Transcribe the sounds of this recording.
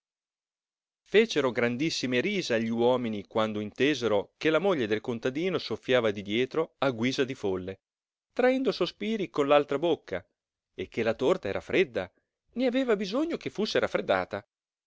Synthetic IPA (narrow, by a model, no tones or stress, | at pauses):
feːt͡ʃeɾoɡɾand̪isːimeɾiːzeaʎːiwɔːminikwand̪oint̪eːzeɾokelamoʎːed̪elkont̪ad̪iːnosofːjaːvad̪id̪jɛːt̪ɾoaɡwiːzad̪ifolːe | t̪ɾaɛnd̪osospiːɾikonlalt̪ɾabokʰːa | ekːelat̪ort̪aɛːɾafɾed̪ːa | neaveːvabizoɲːok̟efːusːeɾafːɾed̪ːa̰ːt̪a